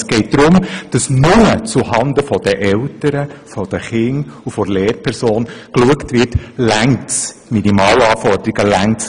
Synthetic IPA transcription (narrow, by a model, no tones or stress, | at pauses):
sɡ̥ɛɪt̚d̥̪ɾʊmd̥ɑsnʊmət͡suhɑnd̪əfɔd̥əʔɛltəɾəfɔd̥əχɪŋufɔɾleːɾpʰɛɾsoːnkluəktvɪrtlæŋt͡s | minimɑːlɑːfɔrd̪əɾiɡəlæŋt͡s